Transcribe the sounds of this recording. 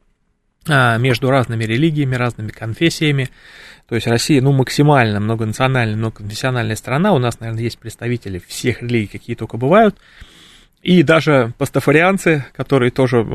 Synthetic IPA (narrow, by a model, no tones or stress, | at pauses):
amʲe̞ʐd̪ʊɾaznɨmʲɪɾʲɪlʲiɡʲɪjɪmʲɪɾaznɨmʲɪkɐnfʲesʲːɪjəmʲɪ | t̪o̞ɪsʲtʲrɐsʲːijənuməksʲɪmalʲnəmno̞ɡənət̪sɨɐnalʲnəjmnoɡəkənfʲɪ̥sʲːɪɐnalʲnəjəst̪ɾɐnaʊnasnɐvʲe̞rnəjesʲt̚ʲpɾʲɪt̪st̪ɐvʲitʲɪlʲɪfsʲe̞xɾʲɪlʲiɡʲɪːkɐkʲijət̪o̞kəbɨvajʊt̪ | id̪aʐɨpəst̪əfəɾʲɪant̪sɨkɐt̪o̞ɾɨjət̪o̞ʐɨ